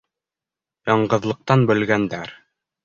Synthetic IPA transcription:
jɑɴɢɤ̆ðlˠɤ̆q̚t̪ɑnbɵ̆lɡænd̪æɾ

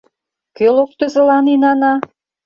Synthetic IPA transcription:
kølok̚t̪ø̆zə̆lɑninɑnɑ

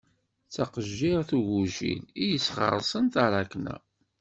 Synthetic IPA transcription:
t͡sːɑqəʒːɪʁθuʝuʒḭnijəsχʁə̰ɾˤsˤənt̪aɾˤɑknæ̰

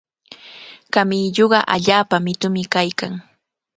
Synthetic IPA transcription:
kamɪːʎoɢɑʔaʎaːpamɪt̪ʊmɪkajkaŋ

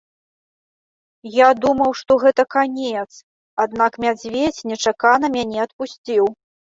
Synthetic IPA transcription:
jad̪umɐwʂt̪ɔɣɛt̪ɐkanʲɛt̪s | ad̪nakmʲad͡zʲvʲet͡sʲnʲɛt͡ʂakanɐmʲanʲɛɐt̪pusʲt͡sʲiw

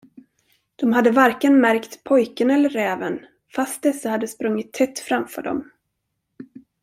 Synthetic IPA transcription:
d̪̥ɔmɦad̪ːəvaɾkənmæɾkt̪pʰɔjkənɛlːəɾɛːvən | fast̪̚d̪ɛsːahad̪ːəspɾɵŋːɪt̪ʰːɛt̪ːfɾamfœ̰ːɖɔ̰m

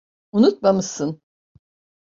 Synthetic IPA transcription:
unut̪̚mamɯsɯn

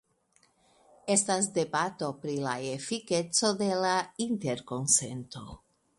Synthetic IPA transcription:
est̪azd̪ebat̪opɾila̰efiket͡so̞d̪elaint̪eɾko̞nsḛnt̪o̞̰

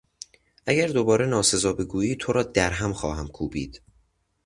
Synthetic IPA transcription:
ʔæɟæɾd̪o̞bɒːɾenɒːse̞zɒːbe̞ɡuːiːt̪ʰoɾɒːd̪æɾɦæmxɒːɦæmkʰuːbḭːd̪̥

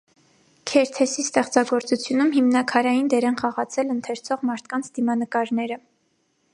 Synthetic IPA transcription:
kʰɛɾt̪ʰɛsist̪ɛχt͡sɑɡɔɾt͡sut͡sʰjunumɦimnɑkʰɑɾɑjind̪ɛɾɛnχɑʁɑt͡sʰɛlənt̪ʰɛɾt͡sʰɔʁmɑɾt̪ʰkɑnt͡sʰd̪̥imɑnəkɑɾnɛɾə

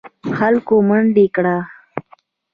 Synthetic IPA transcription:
xalkoməɳɖekɽa

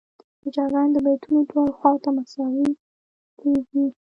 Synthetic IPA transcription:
d̪̥əd͡ʒɑɡɑnd̪əbajt̪unodwɑlxwɑwt̪amasɑwi | kʰeɡi

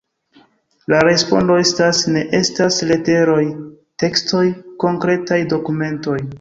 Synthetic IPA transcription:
laɾe̞spo̞̰ndo̞estasne̞ʔe̞stasle̞te̞ɾo̞j | te̞ksto̞jko̞ŋkɾe̞tajdo̞kume̞nto̞j

